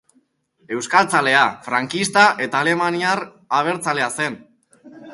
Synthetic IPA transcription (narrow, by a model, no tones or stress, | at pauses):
e̞wskalt͡sale̞afɾaŋkist̪aʔe̞t̪aːle̞maniaɾ | aβ̞e̞ɾt͡sale̞ase̞n